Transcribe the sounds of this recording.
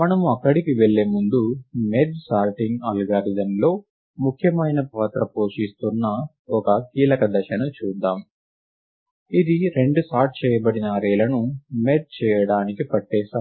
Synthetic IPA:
mɐnɐmuɐkːɐɽikiʋeɭːeːmund̪umed̪saːɾʈiŋɡaːlɡaːɾid̪ɐnlo̞ː | mukʰjɐmɐjnɐpaːt̪ɾɐpo̞ːʂist̪unːɐ | ɔkɐkiːlɐkɐd̪ɐʃɐnɐt͡ʃuːd̪aːm | id̪iɾe̞ɳɖusaːɾʈ̚t͡ʃɛːjɐbɐɽinɐɾɛːlɐnumed̪̚t͡ʃɛːjɐɽaːnikipɐʈːɛːʃaː

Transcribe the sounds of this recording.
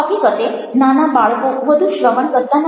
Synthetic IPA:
akikət̪enanabaɭkoʋəd̪ʱuːnɕɾəʋəɳkət̪ːan

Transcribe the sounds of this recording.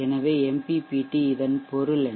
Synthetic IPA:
ɛnɐʋeːɛmpipiːʈːiɪðɐnpɔɾɯlɛ

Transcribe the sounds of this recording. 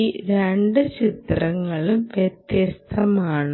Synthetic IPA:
iɾeɳɖɨt͡ɕit̪rɐŋːɐɭumʋjet̪jɐst̪ʰɐmaːɳ

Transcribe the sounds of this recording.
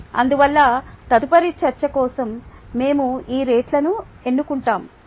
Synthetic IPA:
ɐ̰nd̪uʋɐlːɐt̪ɐd̪upɐɾit͡ʃɐɾt͡ʃɐkɔːsɐmːe̞ːmuiːɾe̞ːʈlɐnu | e̞nːukuɳʈaːm

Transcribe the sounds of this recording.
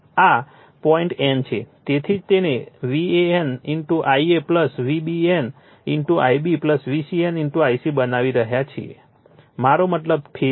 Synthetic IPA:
a | pɔiɳʈɛnt͡ʃʰet̪et̪ʰid͡ʒt̪eneʋieeniɳʈuʔaiepləsʋibien | iɳʈuʔajbipləsʋisieniɳʈuajsibənaʋiɾəɦjat͡ʃʰiḛ | maɾomət̪ləb̚pʰe

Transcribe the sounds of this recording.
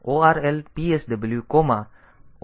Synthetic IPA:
ʔoːæɾɛlpiːəsd̪eblyːkɔma

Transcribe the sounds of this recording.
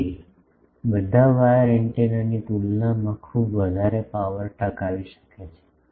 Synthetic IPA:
bəd̪ʱaʋajɾeɳʈenənikulnamãkʰubʋəd̪ʱaɾepaʋəɾʈəkaʋiʃə̥ket͡ʃʰe̥

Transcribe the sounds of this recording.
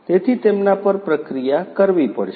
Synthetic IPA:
t̪et̪ʰit̪emnapəɾpɾəkɾijakəɾʋipəɽʃ

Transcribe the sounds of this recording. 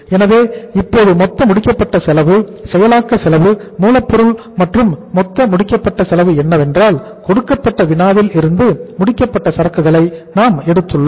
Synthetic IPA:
ɛnɐʋeːɪpːoːðɯmɔt̪ːɐmʊɽɪkːɐpːɐʈːɐsɛlɐʋɯsɛjɐlaːkːɐsɪlɐʋɯmuːlɐpːɔɾɯɭ | mɐʈrɯmːɔt̪ːɐmʊɽɪkːɐpːɐʈːɐsɛlɐʋɯɛnːɐʋɛndraːl | kɔɽɯkːɐpːɐʈːɐʋɪnaːʋɪlɪɾɯnd̪ɯmʊɽɪkːɐpːɐʈːɐsɐɾɐkːɯɣɐɭɐɪnaːmɛɽɯt̪ːɯɭːo

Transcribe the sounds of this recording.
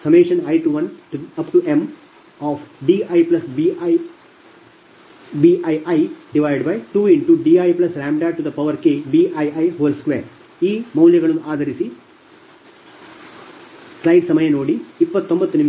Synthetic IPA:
sɐmeːʃɐnɐjʈuʋɐnʈuɐpʈuʔẽm | ɔːfɖiːɐjplɐsbij | biʔɐjʔɐjɖiʋajɖbɐjʈuːiɳʈuɖiːajplɐsɾaːmɖaːʈud̪ɐpɐʋɐɾkeːbiʔajɐjɦoːlskʋḛːɾ | iːmɐwljɐɡɐɭɐnd̪uʔaːd̪ʱɐɾisi | slɐjɖsɐmɐjɐnoːɽiipːɐt̪ːombɐt̪ːunim

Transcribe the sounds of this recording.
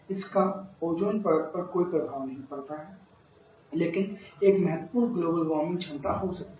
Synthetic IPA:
ɪskaoːd͡ʒoːnpɐɾət̪̚pɐɾkoːipɾɐbʱaːʋnɐɦĩpɐɽt̪aɦɛ | leːkɪneːkmɛɦət̪puːɾɡloːbəlʋɔːmɪ̃nʈd͡ʒʰɐ̃nt̪aɦosɐk̚t̪

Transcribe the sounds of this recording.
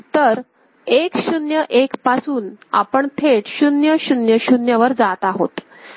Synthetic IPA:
t̪əɾ | ekɕunjəʔekpasuːna̰pəɳt̪ʰeʈɕunjəɕunjəɕunjəʋəɾd͡zat̪aɦot̪

